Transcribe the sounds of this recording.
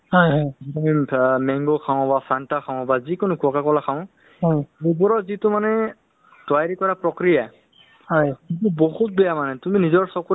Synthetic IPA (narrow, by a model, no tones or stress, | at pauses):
hɔjɔjzitumimɛŋɡokʰaʊ̃basantakʰaʊ̃bazikʊnʊkʰuɔkakɔlakʰaʊ̃ | ɦɔjubɔɹɔzitʊmanɛ | twajɹikɔɹapɹɔkɹija | hɔjkitʊbɔhut̚bɛjamanɛtuminizɔɹsɔku